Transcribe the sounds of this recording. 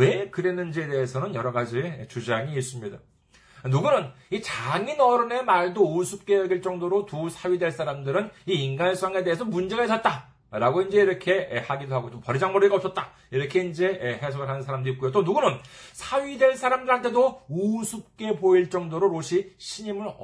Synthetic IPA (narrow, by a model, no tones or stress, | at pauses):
we̞kɯɾe̞nːɯnd͡ʑie̞de̞ɦesʰʌnɯnjʌɾʌɡad͡ʑit͡ɕud͡ʑaŋiːs͈ɯmɲida | nuɡunɯnit͡ɕaŋinʌɾɯne̞maɭdousʰup̚k͈e̞jʌɡiɭt͡ɕ͈ʌŋdoɾotusʰaɥide̞ɭs͈ʰaɾamdɯɾɯniːnɡans͈aŋe̞de̞ɦesʰʌmund͡ʑe̞ɡaɦes͈ʰʌt̚t͈a | ɾaɡoind͡ʑe̞iɾʌkʰe̞haɡidoɦaɡot͡ɕompʌɾid͡ʑaŋmʌɾiɡaʌps͈ʌt̚t͈a | iɾʌkʰe̞ind͡ʑe̞he̞sʰoɡɯɭɦanɯnsʰaɾamdoit̚kojot̬͈onuɡunɯnsʰaɥidwe̞ɭs͈ʰaɾamdɯɾɦantʰe̞dousʰup̚k͈e̞poiɭt͡ɕ͈ʌŋdoɾoɾoɕʰiɕʰiɲimɯɾ